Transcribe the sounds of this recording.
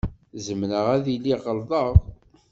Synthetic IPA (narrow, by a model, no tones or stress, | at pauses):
zəmnəʁæðilːiʁəlðˤəðɾˤ